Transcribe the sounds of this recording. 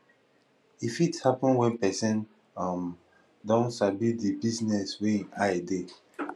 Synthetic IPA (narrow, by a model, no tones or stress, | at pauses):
ifithapɔ̃nwɛ̃npɛsɛ̃n | am | dɔ̃nsabidibiznɛswẽnaede